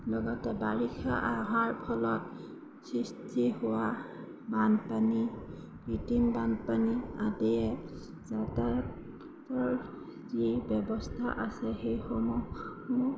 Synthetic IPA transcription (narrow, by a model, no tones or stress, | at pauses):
lɔɡɔtɛbaɹikʰaʔaɦaɹpʰɔlɔt | sɹistʰihʊwa | banpani | ɹitimbanpaniatɛɛ | zata | tɔɹ | zibɛbɔstʰaʔasɛxejxɔmumu